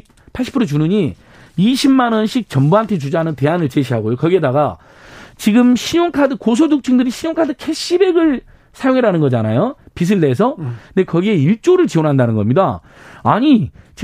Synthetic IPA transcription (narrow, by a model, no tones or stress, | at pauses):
pʰaɭɕ͈ʰi̥pʰɯɾot͡ɕunɯɲi | iɕʰimmːanʌnɕʰik̚t͡ɕʌmbuɦantʰe̞t͡ɕud͡ʑanɯnte̞anɯɭt͡ɕeɕ̬ʰiɦaɡojokʌɡie̞daɡa | t͡ɕiɡɯmɕʰiɲoŋkʰadɯkos̬ʰoduk̚t͡ɕʰɯŋdɯɾiɕʰiɲoŋkʰadɯkʰe̞ɕ͈ibe̞ɡɯɭ | sʰajoŋɦeɾanɯnɡʌd͡ʑanajopis̬ʰɯɭdeːs̬ʰʌnde̞kʌɡieiɭt͡ɕ͈oɾɯɭt͡ɕionɦandanɯnɡʌmɲida | a̰ɲit͡ɕ